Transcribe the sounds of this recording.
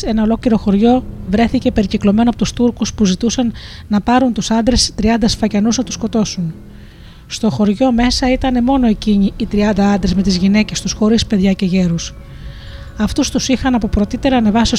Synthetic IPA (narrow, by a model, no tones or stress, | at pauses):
enɐo̞lo̞kliɾo̞xo̞ɾʝo̞vɾe̞θice̞pe̞ɾiciklo̞me̞noɐpo̞t̪ust̪uɾkuspuzit̪usɐnːɐpɐɾunt̪usɐnd̪ɾe̞st̪ɾiɐnd̪ɐsfɐcɐnuznɐt̪u̥sko̞t̪o̞sun | st̪o̞xo̞ɾʝo̞me̞sɐit̪ɐne̞mo̞no̞e̞ciɲiːt̪ɾiɐnd̪ɐɐnd̪ɾezme̞t̪izʝine̞ce̞st̪usxo̞ɾispe̞ðʝɐce̞ʝe̞ɾus | ɐft̪ust̪usixɐnɐpo̞pɾo̞t̪it̪e̞ɾɐːne̞vɐsi